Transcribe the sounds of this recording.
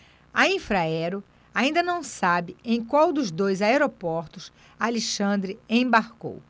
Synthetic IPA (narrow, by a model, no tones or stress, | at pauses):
ɐĩfɾaɛɾʊ | aĩnd̪ɐnɐ̃w̃sabɪẽj̃kwawd̪ʊzd̪ojzaeɾopɔɾt̪ʊs | aliʃɐ̃d̪ɾɪẽj̃baɾko̰w